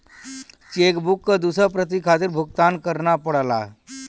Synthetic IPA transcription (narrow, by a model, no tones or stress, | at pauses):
t͡ʃekbukːəd̪usəpɾət̪̬ikʰat̪̬iɾbʱuk̚t̪ankəɾnapəɽla̰